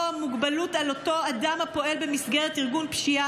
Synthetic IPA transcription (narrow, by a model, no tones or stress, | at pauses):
amuɡbalutalo̞to̞adamhapo̞e̞lbe̞misɡeʁetiʁɡunpʃia